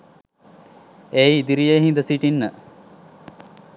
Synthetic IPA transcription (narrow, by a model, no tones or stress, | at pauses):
eiid̪iɾijeɦĩnd̪əsiʈinːə